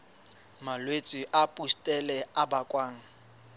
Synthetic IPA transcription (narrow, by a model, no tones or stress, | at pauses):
malwet͡sʼiʔapʼustʼɛlɛabakʼwaːŋ̩